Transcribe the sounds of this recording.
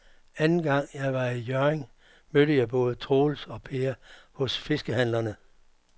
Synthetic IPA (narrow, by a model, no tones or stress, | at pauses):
ænn̩ɡ̥ɑ̈ŋ̰jɑ̈ɪʋɑ̈ijøɐeŋ | møɾəjɑ̈ɪb̥ɔ̽ːð̞ˠət͡sʰʁoːlsɒ̽pʰeːɐhɔ̽sfe̝sɡ̥əhæn̰lɐnə